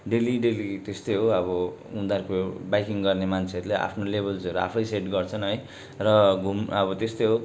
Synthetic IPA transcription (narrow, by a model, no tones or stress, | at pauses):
ɖeliɖelit̪est̪ojɦoʌβʌ | ũd̪arkobajkiŋɡʌrnemant͡sʰeʌɾuleʔa̰pʰnolebʱʌlsʌɾua̰pʰʌjseʈɡʌrt͡sʰʌnɦʌj | rʌɡʱumʌbʌt̪est̪ojɦo